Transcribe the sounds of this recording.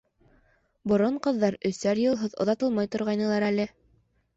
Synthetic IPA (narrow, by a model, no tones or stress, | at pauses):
bŏɾoɴqɤ̆ðːɑɾɵ̆sæɾjɤ̆lˠɦɤðŏ̰ðɑt̪ɤlˠmɑjt̪ŏɾʁɑjnɤ̆lˠɑɾælɘ